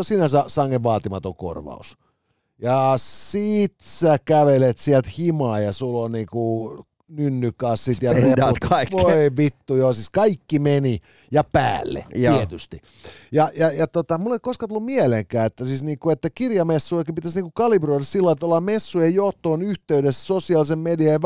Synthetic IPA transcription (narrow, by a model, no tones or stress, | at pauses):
sinæsɑsɑŋːeʋʋɑːt̪imɑt̪oko̰rʋɑ̰us | jɑsit̪sækæʋelet̪siɛlt̪himɑːjɑsulːonniːku | nynːykːɑːssit̪jɑredukʰɑik̪ʋoiʋit̪ːujosiskɑikːimeni | jɑpæ̰ːlːḛiet̪yst̪i | jɑjɑjɑt̪ot̪ɑmulːekoskɑt̪ulːumieleŋkˑæːet̪ːæsiːsniːkuet̪ːækirjɑmesːuekːæpit̪ːæsniːŋkukɑlibroilɑssilːɑiet̪ːolːɑmmesːujejjoht̪ːoːnyht̪eydessosiɑˑlisemmediɑj